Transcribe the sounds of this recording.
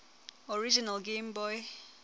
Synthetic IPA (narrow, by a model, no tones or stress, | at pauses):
ɔɹid͡ʒinalɡẽmbɔj